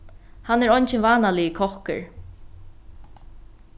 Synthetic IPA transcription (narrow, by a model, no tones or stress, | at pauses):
hanːɛɾɔjnt͡ʃɪnvaːnalɪikʰɔhkɪ̰ɹ